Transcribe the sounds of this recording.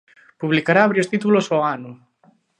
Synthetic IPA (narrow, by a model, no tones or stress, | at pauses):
puβlikaɾaaβɾiost̪it̪ulosoanu